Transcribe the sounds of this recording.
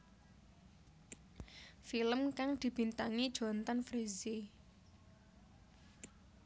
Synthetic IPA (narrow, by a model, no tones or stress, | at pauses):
filəmkaŋd̪̥i̤b̥i̤nt̪aŋid̥ʒ̥ɔ̤nt̪ɔnfɾizi